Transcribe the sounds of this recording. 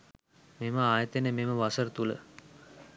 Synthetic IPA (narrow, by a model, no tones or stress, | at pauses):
meməaːjət̪enəmeməʋasəɾt̪ulə̰